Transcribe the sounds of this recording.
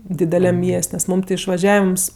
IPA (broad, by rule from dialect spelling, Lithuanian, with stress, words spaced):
dʲɪdʲɛˈlʲɛm ˈmʲiɛsʲtʲ nʲɛs ˈmuːm tʲɪ ɪʃʋɐˈʒʲæːʋʲɪms